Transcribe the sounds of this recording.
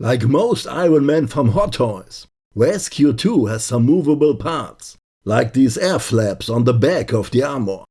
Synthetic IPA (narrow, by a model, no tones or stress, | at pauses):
lʔaɪkmoʊsta̰ɪɹə̃nmɛ̃nfɹʌ̃mɦɔtʰɔɪs | wɛskʰjutʰuhæz̥sʌ̃mːuːvəbəl̩ˠpʰaɹts | laɪk̚ðizɛɹflæpsn̩ðəbækɔvðiaɹmə̰˞